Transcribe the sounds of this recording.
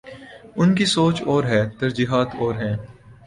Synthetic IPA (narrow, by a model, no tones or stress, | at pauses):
ʊnkisoːt͡ʃɔːɾɦɛːt̪ɐɾd͡ʒiːɦaːt̪ʰɔːɾɦɛ̃ː